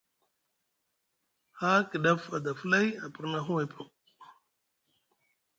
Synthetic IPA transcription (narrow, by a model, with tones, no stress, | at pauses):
haː˦ki˨ɗɐ˦fa˨d̪a˨fla˦ja˨pə˨ɾna˦ɦu˦we˨pʰu˨